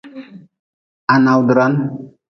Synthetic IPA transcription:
a˨na˨wd̪ɾa˦n

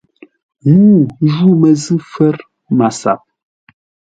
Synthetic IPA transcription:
ŋu˦˨ʒu˦˨mɛ˨zɨ˦fɛ˦ɾ | ma˨sa̰˨p̚

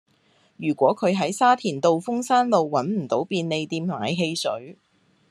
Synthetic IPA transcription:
jyː˨˩kʷɔː˨˥kʰɵ˨˧ɥɦɐ˨˥jsaː˥t̪ʰiː˨˩nt̪o˨wfʊ˥ŋsaː˥nlo˨˧wːɐ˨˥nm̩˨˩t̪o˨˥wpiː˧nne˨˧jt̪iː˧mma̰ː˨˥jɦe˧jsɵ̰˨˥ɥ

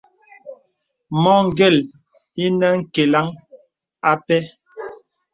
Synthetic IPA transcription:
mɔ˦ŋ̩˦˨ɡɛ˦˨l | i˦nɛ˦ŋ̩˦ke˨la˦ŋ | a˦pɛ˦

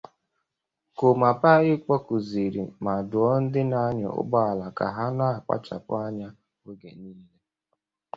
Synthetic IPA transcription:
kʊ˨ma˨pa˦ɣɪ˦k͡pɔ˦kʊ˨zi˨ɾḭ˨ma˨dʊ˨ɔ˦n̩˦dɪ˦na˦ɲɔ̰˨ʊ̰˦bɔ˦a˨la˨ka̰˨ɦa˦na˦˨k͡pa̰˦t͡ʃa̰˨pʊ̰˦a˦ɲa˦ | we˦ɡe˨niː˦le˦

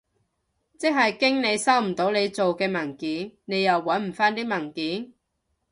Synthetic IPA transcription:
t͡sɪ˥kŋ̚ɦɐ˨jkɪ˥ŋne˨˧jsɐ˥wm̩˨˩t̪o˨˥wne˨˧jt͡so˨wkɛː˧mɐ˨˩ŋkiː˨˥nne˨˧jɐ˨wːɐ˨˥nm̩˨˩faː˥nt̪iː˥mɐ˨˩ŋkiː˨˥n

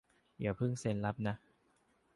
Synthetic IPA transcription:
ji˨˩˦pʰɯ˥˩ŋse˧nla˦˥p̚na˦˥ʔ

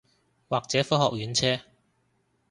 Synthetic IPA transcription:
waː˨k̚t͡sɛː˨˥fɔː˥hɔː˨k̚jyː˨˥nt͡sʰɛː˥

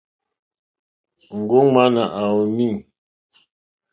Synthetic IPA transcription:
ŋ̩˨ɡo˦ŋma˦na˨ʔa˨wo˨mi˦˨ŋ

